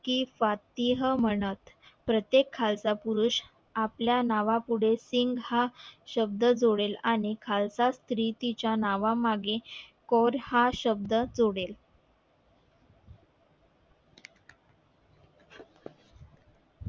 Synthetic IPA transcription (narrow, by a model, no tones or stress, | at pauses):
kiːfat̪iɦəm̤əɳ̃ət̪pɾət̪jekʰːalt͡sapuɾuɕ | apljanaʋapuɽ̤esiŋɡhaɕəb̚d̪əd͡zoɽelaɽ̃ikʰalt͡sast̪ɾiːt̪it͡ɕjanaʋamaɡekɔɾhaɕəb̚d̪əd͡zoɽel